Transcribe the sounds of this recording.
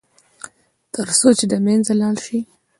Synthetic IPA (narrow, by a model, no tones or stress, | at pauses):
t̪əɾsot͡ʃed̪əmenzalɑlʃi